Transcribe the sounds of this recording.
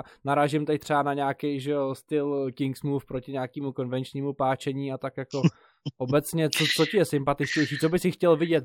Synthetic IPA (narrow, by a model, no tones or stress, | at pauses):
naɾaːʒɪmt̪ɛc̚t̪r̥ɛanaɲaːkejʒɛost̪ɪlkɪŋksmuːfpɾocɪɲaːkiːmuko̞nvɛnt͡ʃɲiːmupaːt͡ʃɛɲiːat̪akjako̞ | ʔobɛt͡sɲɛt͡sot͡socɪjɛsɪmpat̪ɪt͡ʃcɛjʃiːt͡sobɪsɪxcɛlvɪɟɛt̪